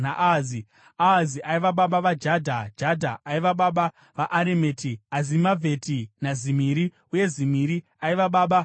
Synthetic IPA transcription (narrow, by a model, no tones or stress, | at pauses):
naʔazi | aziʔaiʋaɓaɓaʋad͡ʒadʱad͡ʒadʱaːiʋaɓaɓa | ʋaʔaɾemetʰiazimavʱetʰinazimiːɾi | uje̞zimiɾi | aiʋaɓaːɓa